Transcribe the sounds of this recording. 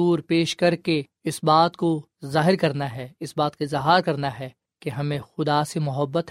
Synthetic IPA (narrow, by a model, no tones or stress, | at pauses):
uːɾpeːʃkɐɾke | ɪsbaːt̪ko | zaːɦɪɾkɐɾnaɦɛɪsbaːt̪kezɐɦaːɾkɐɾnaɦɛ | keɦɐmẽxʊd̪asemʊɦəbːət̪